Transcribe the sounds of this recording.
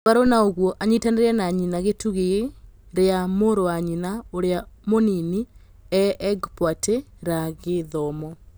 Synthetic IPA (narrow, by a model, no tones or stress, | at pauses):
βaɾonaoɣwɔʔaɲitaneɾɛnaɲinaɣetuɣeɾeamoɾowaɲinaoɾeamonini | ɛʔɛɡpwateɾaɣeðɔmɔ